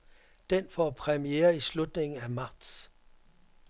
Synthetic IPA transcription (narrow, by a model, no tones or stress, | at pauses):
d̥enfɒːpʰʁɛmieːɐislud̥ne̝ŋn̩æmɑ̈d̥s